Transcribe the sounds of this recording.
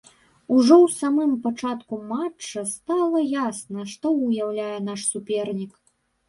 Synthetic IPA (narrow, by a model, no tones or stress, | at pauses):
uʐɔwsamɨmpat͡ʂat̪kumat͡ʂːɐst̪alˠɐjasnɐʂt̪ɔujawlʲajɛn̪aʂsupʲɛrnʲik